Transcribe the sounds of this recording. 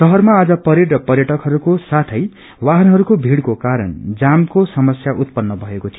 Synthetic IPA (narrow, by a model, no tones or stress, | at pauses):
sʌɦʌrmaːd͡zʌpʌɾiɽrʌpʌrjʌʈʌkɦʌɾukosat̪ʰʌj | waɦʌnɦʌɾukobʱiɽkokaɾʌ̰nd͡zamkosʌmʌsjaʔut̪̚pʌnːʌbʱʌekot̪ʰijo